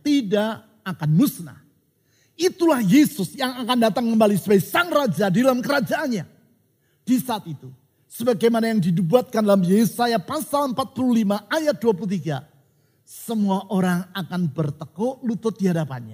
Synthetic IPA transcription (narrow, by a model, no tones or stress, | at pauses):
t̪idaʔ | akanmusna̰ | it̪ulahjesʊsjaŋakandat̪aŋkəmbalisəbajsaŋrad͡ʒadadalamkəɾad͡ʒaʔanɲa | d̥isaːt̪it̪u | səbaɡajmanajaŋdidubuat̪̚kandalamjesajapasaləmpat̪̚pululimaʔajat̪̚duap̬ulut̪iɡa | səmuaʔoɾaŋakanbərt̪əkɔlut̪ʊt̪̚diɦadapa̰nɲa̰